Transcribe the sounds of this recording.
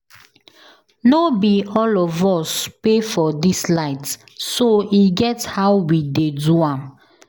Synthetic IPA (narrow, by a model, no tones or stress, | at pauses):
nobiɔlɔvɔspefɔdislaɪt | soiɡɛthawwideduãm